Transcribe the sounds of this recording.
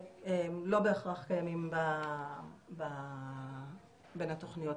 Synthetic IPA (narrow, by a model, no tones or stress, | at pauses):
emlo̞be̞ːχʁaχkajamimba | ba | benat̪o̞χnijo̞t